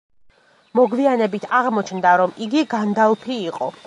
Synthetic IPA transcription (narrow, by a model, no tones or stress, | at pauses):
mɔɡvianɛbit̪ʰaʁmɔt͡ʃʰnd̪aɾɔmiɡiɡand̪alˠpʰiːqʼɔ